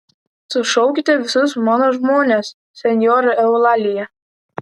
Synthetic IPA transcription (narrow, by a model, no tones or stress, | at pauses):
sʊʃɔʊkʲɪt̪ʲɛʋʲɪsʊs̬mɑːnoːʒmoːnʲesːʲɛnʲjoɾɨɛʊlˠɑlʲɪjɛ